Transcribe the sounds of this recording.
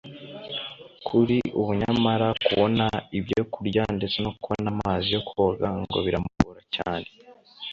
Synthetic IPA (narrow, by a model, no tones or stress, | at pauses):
kʰuɾiʔuβuɲamaɾakuβo̞naibjo̞kuɾɟandet͡senokuβonamaːzijo̞kuo̞ɡaŋɡoβiɾamuβoːɾacaːne̞